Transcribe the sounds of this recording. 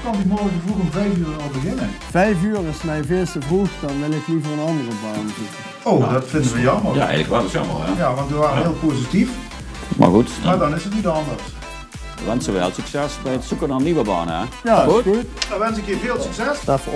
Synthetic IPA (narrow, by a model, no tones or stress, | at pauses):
kɔndimoːjəkəvukəmvɛjfyːrənɔlˠbəɣɪnənfɛjfyːərɔsmɛjvɪstəvruxdɔnʋɪlɪklivəənɑndərəbɑːntukə | owdɔtfɪndənʋəjɑmərja̰ɛ̰ləkʋɛlˠəsjɔ̰mə̰lˠja̰jaʋɑntʋəʋaːrəɦɪəlˠpoːzitif | ma̰xutmadɔnɪsətnitɑndərs | əʋɛnsəʋɛ̰ːlˠsyksɛsbɛjətsukənaniʋəbɑ̰ːna̰jautdɔʋɛnsɪkjiveːlˠsyksɛsd